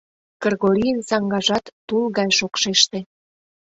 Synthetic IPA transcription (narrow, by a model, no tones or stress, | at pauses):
kɤrɣoɾʲiənsɑŋɡɑʒɑt̪ːulɣɑjʃokʃeʃt̪ĕ